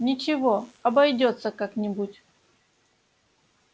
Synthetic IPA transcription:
nʲɪt͡ɕɪvo̞ɐbɐjdʲo̞t̪səkaknʲɪbutʲ

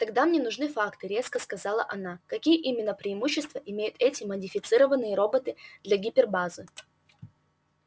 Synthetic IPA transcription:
t̪ɐɡd̪amnʲenʊʐnɨfakt̪ɨɾʲe̞skəskɐzalˠə̰ʔɐnakɐkʲijəʔimʲɪnːəpɾʲɪːmuɕːɪst̪vəʔɪmʲejʊt̪ɛtʲɪmədʲɪfʲɪt̪sɨɾəvənːɨjəɾo̞bət̪ɨd̪̥lʲɐɡʲipʲɪrbazɨ

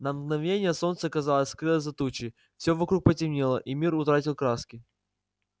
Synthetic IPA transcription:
nɐmɡ̪nɐvnʲenʲɪjəso̞nt̪səɐkɐzalˠəsʲskɾɨlˠəzɐt̪ut͡ɕɪ | fsʲɵvɐkɾuk̚pətʲɪmnʲelˠəʔimʲirʊt̪ɾatʲɪlˠkɾaskʲɪ

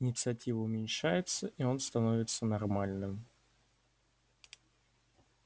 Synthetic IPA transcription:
ɪnʲɪt̪sɨɐtʲivəʊmʲɪnʲʂajɪt̪səʔio̞nst̪ɐno̞vʲɪt̪sənɐrmalʲnɨm

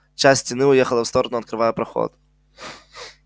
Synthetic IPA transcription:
t͡ɕasʲt̪ʲsʲtʲɪnɨʊjexəlˠəfst̪oɾənʊɐt̪̚kɾɨvajəpɾɐxo̰t̪

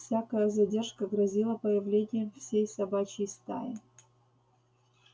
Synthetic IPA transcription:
fsʲakəjəzɐdʲerʂkəɡɾɐzʲilˠəpəjɪvlʲenʲɪjəmfsʲejsɐbat͡ɕɪjst̪a̰jɪ

